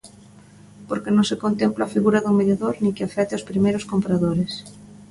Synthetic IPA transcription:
poɾkenõŋsekont̪emplafiɣuɾaðʊmeðjaðoɾnĩŋkɪafɛt̪ɪospɾimejɾʊskompɾaðoɾɪs

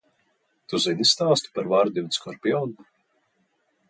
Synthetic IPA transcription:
t̪uzinist̪aːst̪u̥paɾvaɾd̪iwt̪skʰɔɾpʲiɔn

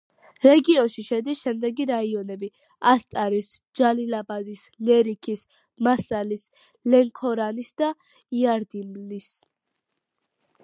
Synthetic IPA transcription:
ɾɛɡiɔnʃiʃɛd̪isʃɛmd̪ɛɡiɾaiɔnɛbi | ast̪ʼaɾis | d͡ʒalilabad̪is | lɛɾikʰis | masalis | lɛŋkʰɔɾanisd̪a | iaɾd̪imlis

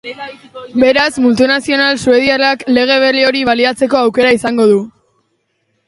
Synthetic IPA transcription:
be̞ɾazmult̪unasio̞nalsue̞ðialakle̞ɣ̞e̞β̞elio̞ɾiβaliat͡se̞ko̞awke̞ɾaisaŋɡo̞ðu

